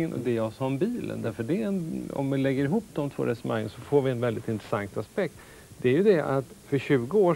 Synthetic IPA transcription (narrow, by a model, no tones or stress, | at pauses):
ənʔɔ̰d̪ɛjɑsɑmbiːlə̰nd̪æɾfœɖɛɛnɔ̰mvɪlɛɡːəɾɪɦuːpːd̪ɔmt̪ʰv̥o̰ːɾɛsəmaŋːə̰nsɔfoːɾvɪɛnvɛld̪ɪt̪ɪnt̪ɾɛsaŋt̪aspɛk̚t̪ | d̪ɛæɾjɵd̪ɛa̰t̪fœɾɕʉ̟ːɡəoː